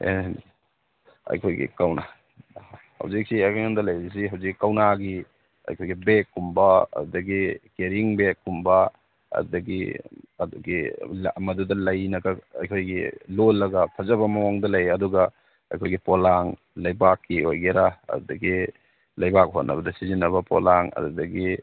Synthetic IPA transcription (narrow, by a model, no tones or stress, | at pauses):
ḛn | ɐ̰jkʰojɡḭkawna̰ | hɐ̰wzik̚siajkʰajandɐlɐjisiɦawzikːikawnaɡi | ɐ̰jkʰojɡibekːumbɐɐ̰dudɐɡikeɾiŋbekːumbɐ | ɐ̰dudɐɡḭɐduɡilːmɐdudɐlɐjnɐɡɐɐ̰jkʰojɡilolːɐɡɐpʰɐzɐβɐmɐwaŋdɐlɐjɐduɡɐ | ɐ̰jkʰojɡipolaŋ | lɐjbakːiojɡeɾaɐ̰dudɐɡi | lɐjbak̚ɦo̰nːɐ̰bɐdɐsizinɐβɐpo̰laŋɐ̰dudɐɡi